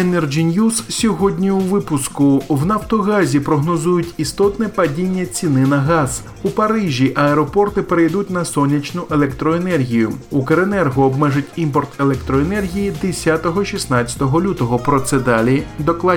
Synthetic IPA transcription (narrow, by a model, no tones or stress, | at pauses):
enɛrd͡ʒinjussʲɔɦɔdʲnʲiuʋɪpʊskʊwnɐft̪ɔɣɑzʲipɾɔɦnɔzujʊtʲist̪ɔt̪nɛpɐdʲinʲːɐt͡sʲinɪnɐɦɑz̥ | upɐɾɪʒʲiʔɐɛɾɔpɔrt̪ɪpeɾejd̪utʲn̪ɐsɔnʲːɐt͡ʃnʊʔelˠɛkt̪ɾɔenɛrɦʲijʊukeɾenɛrɦɔːbmɛʐɪtʲimpɔrt̪e̞lˠɛk̚t̪ɾɔenɛrɦʲijid̪esʲat̪ɔɦɔʃʲisnɑt͡sʲːɐ̥t̪ɔɦɔlʲut̪ɔɦɔpɾɔt̪sɛd̪ɑlʲid̪ɔklˠɑ